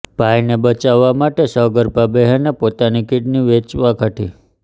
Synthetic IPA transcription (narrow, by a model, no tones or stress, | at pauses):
b̥ʱajnebət͡ʃaʋːamaʈesəɡəɾpabeɦənːepot̪anikiʈniʋet͡ʃʋakʰaʈʰi